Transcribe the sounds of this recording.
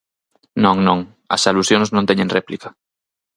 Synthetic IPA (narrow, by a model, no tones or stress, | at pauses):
nõŋnõŋ | ɐ̰salusjoŋsnõnt̪ɛɲẽŋrɛplikɐ̥